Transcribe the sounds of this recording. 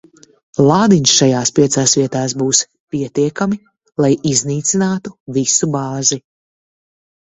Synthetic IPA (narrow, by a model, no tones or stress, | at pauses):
lˠɑːd̪iɲʃʃajaːspʲiɛt̪saːsviɛt̪aːsbuːs | pʲiɛt̪iɛkami | lˠajizniːt̪sinaːt̪uvisubaːzi